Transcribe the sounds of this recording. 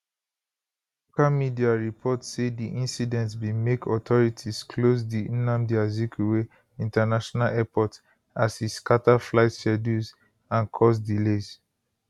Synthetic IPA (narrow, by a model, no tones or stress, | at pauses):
lokamidiaɹipʰɔtsediʔĩnsidɛ̃ntswimekʰɔtʰɔɹitʰizkʰlos̬diĩnãmdiazikiwe | ĩntanaʃɔnalɛpɔt | asiskataflaɪtʃɛduz | ãnkʰɔs̬dilez